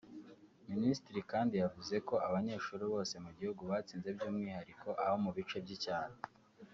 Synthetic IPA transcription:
ministiɾikaːndijavuze̞ko̞aβaɲe̞ːʃuːɾiβo̞ːse̞muɟihuɡuβaːt͡siːnze̞bɟoːmŋiːhaɾikʰo̞ʔaho̞muβit͡ʃebɟicaːhe

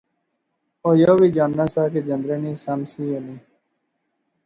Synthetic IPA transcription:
oːjoːʋiːd͡ʒaːnːaːsaːked͡ʒənd̪ɾeːniːsəmsiːoːniː

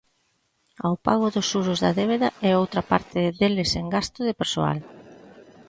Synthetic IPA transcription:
awpa̰ɣʊðʊsuɾʊzðɐðeβ̞eðɐɛowt̪ɾɐpa̰ɾt̪ɪðelɪseŋɡast̪ʊðɪpeɾsoa̰l

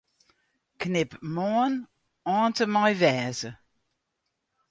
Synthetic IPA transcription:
knɪpmɔn | ɔ̃ːtəmɑjvɛzə

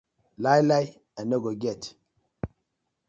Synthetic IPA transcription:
lajlaj | ãnːoɡoɡɛt

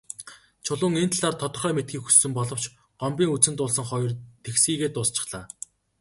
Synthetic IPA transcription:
t͡ɕʰʊɮʊːŋent̪ʰaɮaːrt̪ʰɔt̪ɞ̆rχœːmet̪̚ɡiːkxu̥sːɵ̆mpɔɮɞ̆w̥t͡ɕ | ɢɔmpʲiːŋut͡sɘ̆nt̪ʊːɮsə̆ŋχɔjɞ̆rt̪ʰexsiːɣeːt̪ʊːst͡ɕɪ̆χɮ̥aː

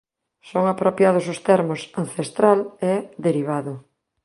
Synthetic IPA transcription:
soŋapɾopjað̞ʊsʊst̪ɛɾmʊsanθest̪ɾalɛðeɾiβ̞aðʊ

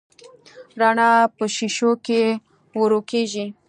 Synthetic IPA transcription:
ɾaɳɑpəʃiʃoke | wəɾokeʒi

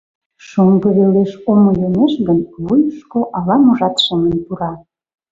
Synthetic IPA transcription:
ʃoŋɡəβeleʃomojoneʃɡənβujəʃkoʔɑlɑmuʒɑt̪ʃemənt̪uɾɑ

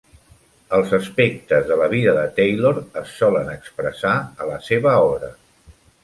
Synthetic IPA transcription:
əlˠzəspek̚t̪əzðələβ̞iðəðət̪ejloɾəsːɔlənəkspɾəsaələseβəɔβɾə

